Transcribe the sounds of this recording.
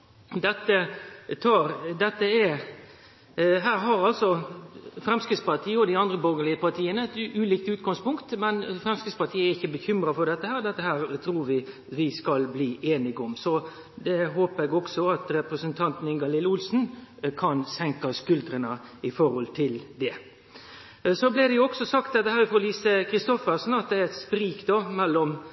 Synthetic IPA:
d̪ɛt̪ːət̪ʰɑːɾd̪ɛt̪ːəɛ | ɦæːɾɦɑɾɑlsɔfɾɛmskɾɪt̪spɑt̪ʰiːəɔd̪ɪɑnd̪ɾəbɔlɡəɭɪəpɑt̪ʰiːənəɛt̪ʔʉːliːk̚t̪ʉːt̪ɡɑŋspʊŋkt̪mɛnfɾɛmskɾɪt̪spɑt̪ʰiːəæɾɪçːəbəçʏmɾɑfɔɖ̪ɛt̪ːəhæːɾd̪ɛt̪ːəhæːɾt̪ʰɾuːɾʋɪ | ʋɪskɑlbliːʔeːnɪɡɔmsɔ | d̪ɛɦoːpəɾɛɡɔksɔɑt̪ɾɛpɾəsənt̪ʰɑnt̪n̩ɪnɡɑlɪlʊlsn̩kʰɑnsɛŋkɑskʉlt̪ɾənɑɪfɔɾhɔlt̪ʰɪld̪ɛ | sɔblɪd̪ɛjʊɔksɔsɑk̚t̪̚d̪ɛt̪ːəhæːɾɪfɔliːsəkʰɾɪst̪ɔfəsn̩ɑt̪̚d̪ɛæɾɛt̪spɾiːkd̪oːmɛlːɔm

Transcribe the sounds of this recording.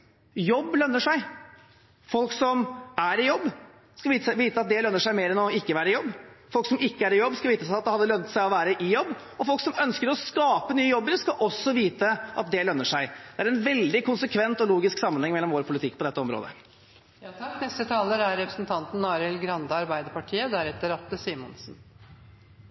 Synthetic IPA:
jɔbːlœnːəʂæɪ | fɔlksɔmæɾɪjɔbː | skɑʋiːʋiːt̪əɑt̪̚d̪ɛlœnːəʂæɪmeːɾɛnɔɪkːəʋæːɾəɪjɔbːfɔlksɔmɪkːəæɾɪjɔbːskɑʋiːt̪əsæɪɑt̪̚d̪ɛhɑd̪ːəlœnt̪sæɪɔʋæːɾəʔɪjɔbː | ɔfɔlksɔmœnskəɾɔskɑːpənyːəjɔbːəɾskɑʔɔsːɔʋiːt̪əʔɑ̰t̪̚d̪ɛlœnːəʂæɪd̪ɛæɾɛnʋɛld̪ɪkʊnsəkʰʋɛnt̪ɔluːɡɪsksɑmːənhɛŋmɛlːɔmʋoːɾpʰʊlɪt̪ʰɪkːpʰɔd̪ɛt̪ːəɔmɾo̰ːd̪ə̰ | knɛst̪ət̪ʰɑːləɾæɾːɛpɾəsnt̪ʰɑnt̪n̩ɑːɾɛlɡɾɑnd̪əɑɾbæɪd̪əpɑʈʰiːəd̪æɾɛt̪ːəɾɑt̪əsiːmɔ̰nsn̩

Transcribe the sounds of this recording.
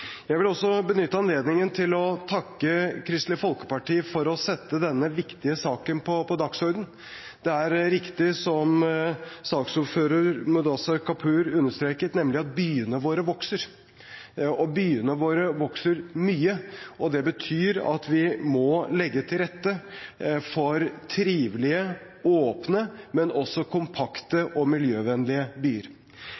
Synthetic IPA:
jæʋɪlɔsːɔbənʏt̪ːəɑnleːd̪nɪŋənt̪ʰɪlɔt̪ʰɑkːəkʰɾɪst̪lɪfɔlkə̥pɑʈiːfɔɾɔsɛt̪ːəd̪ɛnːəʋɪkt̪ɪəsɑːkənpʰɔpʰɔd̪ɑksɔɾd̪n̩ | d̪̥ɛæɾɾɪkt̪ɪsɔm | sɑːksuːføːɾəɾmʊd̪ɑsɑkʰɑpʰʉːɾʉnːəʂt̪ɾeːkət̪nɛmlɪɑt̪̚byːənəʋoːɾəʋɔksəɾ | ɔbyːənəʋoːɾəʋɔksəɾmyːəɔd̪ɛbət̪ʰyːɾɑ̰t̪ʰʋɪmɔlɛɡːət̪ʰɪlɾɛt̪ːə | fɔɾt̪ʰɾiːʋlɪə | oːpnəmɛnɔsːɔkʰʊmpʰɑkt̪əʔɔmɪljøːʋɛnlɪəbyːəɾ

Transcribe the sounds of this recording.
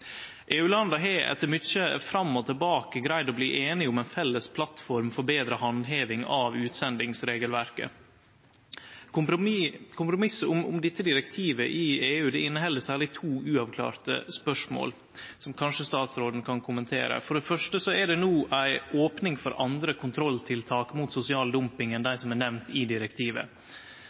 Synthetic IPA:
ʔeːʉːlɑnd̪ɑɦɛʔɛ̰t̪ːəɾmʏt͡ʃəfɾɑmːɔt̪ʰəlbɑːkəɡɾæɪd̪ɔbliːʔeːnɪʊmɛɪnfɛlːəspʰlɑt̪fɔɾmfɔɾbeːd̪ɾəɦɑnd̪ɦeːʋɪŋɑʋʉːt̪sɛnd̪ɪŋsɾeːɡəlʋæɾkə̰ | kʰʊmpɾʊmɪsʊmʊ̰md̪ɪt̪ːəd̪ɪɾɛkt̪ʰiːʋəʔɪeːʉːd̪ɛɪnːəɦɛlːəsæːɾɭɪt̪ʰuːʔʉːɑʋkʰlɑ̰ːɾt̪ə̰spœʂmo̰ːl | sɔmkʰɑnʂəst̪ɑːt̪sɾoːd̪n̩kʰɑnkʰʊmənt̪ʰḛːɾə̰fɔɖɛfœʂʈəsɔɛɖɛnuːʔæɪʔoːpnɪŋfɔɾɑnd̪ɾəkʰʊnt̪ʰɾɔlt̪ʰɪlt̪ʰɑːkmuːt̪sʊsɪɑːld̪ʊmpɪŋɛnd̪æɪsɔmæɳɛʋnt̪ʰɪd̪ɪɾɛkt̪ʰiːʋə̰

